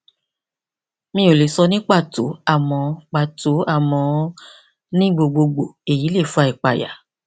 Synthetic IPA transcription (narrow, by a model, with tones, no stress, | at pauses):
mĩ˧˦o˨le˨sɔ˧nĩ˦k͡pa˦˨to̰˨˦a˦˨mɔ̃˧k͡pa˧˨to˨˦a˦˨mɔ̃˨˧ | nĩ˦ɡ͡bo˧ɡ͡bo˧ɡ͡bo˨e˨ji˨˦le˦˨fu˨˦a˧˨i˨k͡pa˨ja̰˨